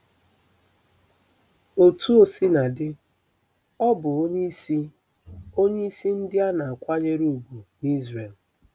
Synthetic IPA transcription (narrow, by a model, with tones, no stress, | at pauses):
o˨tu˦o˨si˦na˨dɪ˦ | ɔ˦bʊ˨o˦ɲe˦si˦ | o˦ɲe˦i˦si˦n̩˦dɪ˦a˦na˨a˨kʷa˦ɲe˦ɾu˦˨ɡu˨ni˦zre˨l